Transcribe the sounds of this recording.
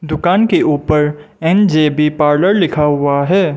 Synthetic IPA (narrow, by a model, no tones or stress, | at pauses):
d̪ʊkaːnkeʔuːpəɾ | ɛnd͡ʒeːbʱipaːɾləɾlɪkʰaɦʊaɦɛː